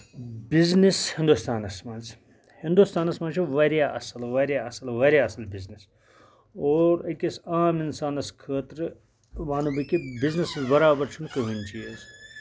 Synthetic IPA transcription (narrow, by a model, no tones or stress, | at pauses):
biznishĩnd̪ust̪aːnɐsmaːnz̥ | hĩnd̪ust̪aːnɐsmaːnt͡ʃʰiʋɐɾjaːʔɐ̰sɐlʋɐɾjaɐsɐlʋɐɾʲjaːɐsɐlbiznis | oːɾɐkisaːminsaːnɐskʰəːt̪ɾ | ʋaːnubɐkibizniszbɐɾaːbɐɾt͡ʃʰunkɐɦint͡ʃʰiez